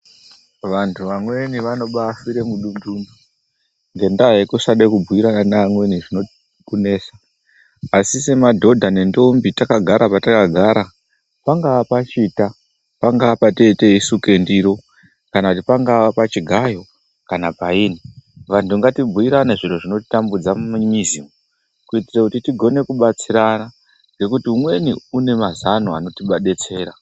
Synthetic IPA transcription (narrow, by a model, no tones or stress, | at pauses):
ʋantʰuʋamwe̞niʋano̞ɓafiɾe̞muɗunduːndu | ŋɡe̞ndajekusaɗekub͡vʱuiɾananaːmwe̞niʐino̞ | kune̞ːsaː | sise̞madʱo̞dʱane̞ndo̞mbitakaɡʱaɾʔapatakaɡʱaːɾa | paŋɡaʋapat͡ʃiːta | paŋɡaʋapateiteisuke̞ndiɾo̞ | kanakutipaŋɡaʋapat͡ʃiɡʱajo̞ | kanapaiːniʋantuŋɡatibʱuiɾaneʐiroʐino̞ti̥tambud͡zamumuɲizimo | kuitirakutitiɡʱo̞ne̞kuɓat͡siɾana | ɡe̞kutiumwe̞niune̞mazanoano̞tiɓaɗe̞t͡se̞ːɾa